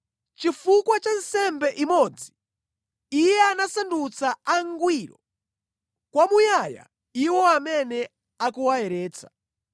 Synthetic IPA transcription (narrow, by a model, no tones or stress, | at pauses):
t͡ʃifukwat͡ʃansɛmbɛʔimɔd͡ziː | jɛanasandut͡saaŋɡwiɾɔ̰ | kwamujaja̰ | iwɔamɛnɛ | akuwaɛɾɛːt͡sʰḁ